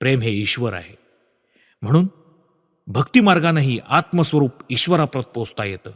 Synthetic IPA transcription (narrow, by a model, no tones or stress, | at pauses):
pɾemɦeiɕʋəɾa̰ɦe | m̤əɽ̃uːn | bʱəkt̪iːmaɾɡanaɦiːʔat̪məsʋəɾuːpiɕʋəɾapɾət̪̚post̪ajet̪əː